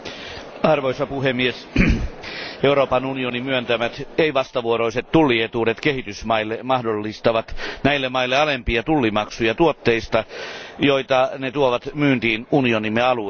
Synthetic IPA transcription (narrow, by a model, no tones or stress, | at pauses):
ɑrʋoisɑpuhemːies | euɾoːpɑnunionimyønt̪æmæt̪eiʋɑst̪ɑʋuoɾoiset̪t̪ulːiet̪uːdet̪kehit̪ysmɑilːemɑhdolːist̪ɑʋɑt̪næilːemɑilːeɑlempiɑt̪ulːimɑksujɑt̪uot̪ːeist̪ɑjoit̪ɑnet̪uoʋɑt̪myːnt̪iːnunionimːeɑlu